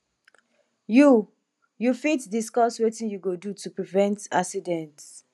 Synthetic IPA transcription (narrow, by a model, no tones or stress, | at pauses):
ju | jufitdiskɔswetĩnjuɡodutupɹivɛ̃nta̰ksidɛ̃nts